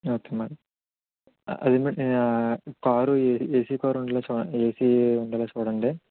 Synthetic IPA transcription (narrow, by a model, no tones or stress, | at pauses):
oːkeːmɐɽɐ | ɐ̰d̪imi | kaːɾueeːsikaːɾuɳɖɐloːt͡ʃuːɽɐeːsiuɳɖɐloːt͡ʃuːɽɐɳɖeː